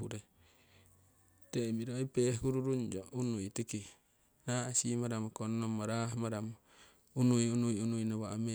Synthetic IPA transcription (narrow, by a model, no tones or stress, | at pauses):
uɾe | t̪emiɾoipeɦuɾuɾuɲd͡ʒoʔunujt̪iki | naasimaɾamokonːomaɾaɦmaɾamo | unujunujunujnoβaame